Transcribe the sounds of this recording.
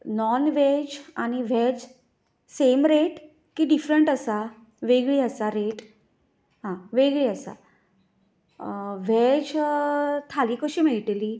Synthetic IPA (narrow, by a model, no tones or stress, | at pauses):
nɔnʋed͡ʑañiʋ̤ɛd͡ʑ | semɾeʈ | kiɖifɾəɳʈəsa | ʋeɡɭiːəsaɾeʈ | ɦãʋeɡɭiəsa̰ | ʋeɛd͡ʑ | t̪ʰaliːkəɕiːmeɭʈeliː